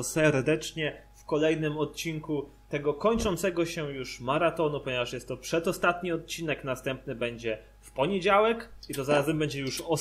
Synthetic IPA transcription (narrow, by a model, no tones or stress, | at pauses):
sɛɾd̪ɛt͡ʂɲɛfkɔlɛjnɘmɔt̪̚t͡ɕiŋku | t̪ɛɡɔkɔɲt͡ʂɔnt̪sɛɡɔɕɛjuʂmaɾat̪ɔnupɔɲevaʂjɛst̪ːɔpʂɛd̪ɔst̪at̪ɲiɔt̪̚t͡ɕinɛknast̪ɛmpnɘbɛɲd͡ʑɛ | fpɔɲed͡ʑawɛkit̪ɔzaɾazɛmbɛɲd͡ʑɛjuʂɔ